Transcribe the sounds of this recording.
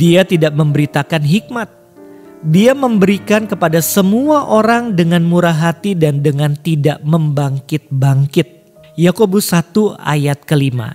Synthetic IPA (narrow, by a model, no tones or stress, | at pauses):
diat̪idaʔ̚məmbəɾit̪akanɦik̚mat̪̚ | diaməmbəɾikankəpadasəmuaʔoɾaŋdəŋanmuɾaɦat̪idandəŋant̪idaʔməmbaŋkɪt̪̚baŋkɪt̪̚ | jakobusat̪ua̰jat̪̚kəlima̰